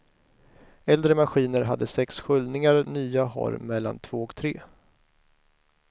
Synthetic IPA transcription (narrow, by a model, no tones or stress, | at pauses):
ɛld̪ɾəmaɧiːnəɾɦad̪ːəsɛksɧʏld̪nɪŋaɾnyːaɦɔ̰ɾmɛlːa̰nt̪ʰv̥oːɔkt̪ʰɾeː